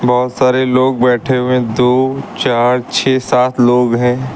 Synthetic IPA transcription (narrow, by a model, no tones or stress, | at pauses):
bɔɦʊt̪saːɾeloːɡ̚bɛːʈʰeɦuẽd̪oːt͡ʃaːɾt͡ʃʰɛːsaːt̪ʰloːɡɦɛ̃ː